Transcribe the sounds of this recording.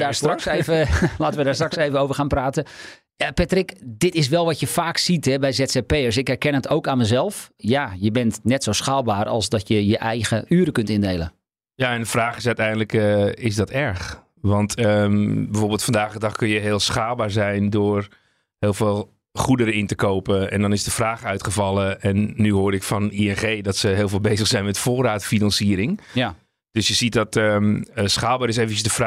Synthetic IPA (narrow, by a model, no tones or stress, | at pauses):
daːstrɑksevəlaːtəʋədaːstrɑksejvənowvərxaːnpraːtə | apɛtrɪkdɪtɪs̬ʋɛlˠʋɔtjəfaːksitɦɛbɛjzɛtsepejərsɪkɛrkɛnətʰowkanməzɛlˠfjajəbɛntnɛtsowsxaːlˠbaːrɑ̰lˠsdɔtjəjəʔɛjɣəʔyːɾəkɵntɪndejlˠə̰n | jaːɛndəfraːχɪsœɥtɛjəndələkɪsdɔtʰɛɹx | ʋɑntʰəbɛfoːrbɪːlˠtfɑndaːɣdədɑχkønjəɦɪːlˠsxaːlˠbaːɹzɛjndʊːr | hɪːlˠveːlˠ | χudəɾəɪntəkowpəɛndɔnɪsdəfraːxœɥtχəvɑlˠəʔɛnːyɦoːɾɪkfɔniɛnχeːdɔtsəɦɪːlˠveːlˠbeːzəxsɛjnmɛtfoːraːtfinɑnsiəɾɪŋ | d̥øsjəzit̚dɔtəəsχaːlˠbaːɾɪs̬eːvən̩t͡ʃəsdəfra